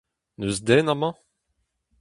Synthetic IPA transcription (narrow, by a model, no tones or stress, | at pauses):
nøzd̪ɛnamɑ̃